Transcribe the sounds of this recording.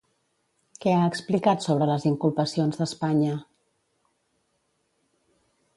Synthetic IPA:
kɛaəksplikat̪soβ̞ɾələziŋkulˠpəsionzðəspaɲə

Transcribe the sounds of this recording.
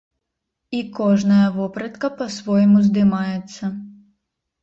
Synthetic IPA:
ikɔʐnɐjɐvɔpɾɐt̪kɐpɐsvɔjmuzd̪ɨmajɛt̪sːɐ

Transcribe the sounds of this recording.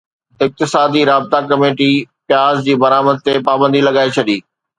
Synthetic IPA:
ɪk̚t̪ɪsaːd̪iɾaːbɪt̪akɐmeːʈipjaːzd͡ʑiːbɐɾaːməd̪̚t̪epaːbə̃nd̪ʱilɐɠaːet͡ɕʰɐɗiː

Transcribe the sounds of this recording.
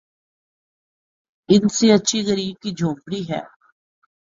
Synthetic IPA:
ɪnseətːʃʰiɣəɾiːb̚kiːd͡ʒʱõːmbɽiːɦɛ̰ː

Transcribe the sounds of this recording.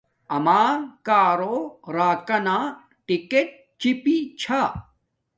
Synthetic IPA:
ɐmaːkaːɾoːɾaːkɐnaː | ʈikeʈ̚ | t͡ɕipit͡ɕʰa

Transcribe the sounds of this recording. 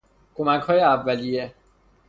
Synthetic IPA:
kʰo̞mæchɒːjeævːælije

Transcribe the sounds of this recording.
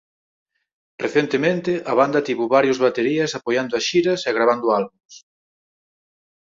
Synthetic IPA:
reθent̪emẽnt̪ɪʔɐβand̪ɐt̪iβuβaɾjozβat̪eɾiɐsapojand̪ʊɐsʃiɾɐsɛɣɾaβand̪ʊalβums

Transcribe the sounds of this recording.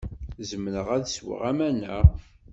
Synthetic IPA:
zəmɾəʁæðswə̰ʁæmænə

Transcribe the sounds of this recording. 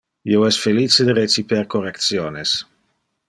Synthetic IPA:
ioɛsfelit͡sed̪əɾet͡sipeɾkorek̚t̪sjoːnes

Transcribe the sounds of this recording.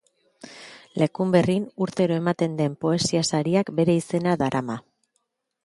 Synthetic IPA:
le̞kumbe̞rinuɾt̪e̞ɾo̞e̞mat̪e̞nd̪e̞mpo̞e̞siasaɾiakbe̞ɾe̞ise̞naðaɾʔama

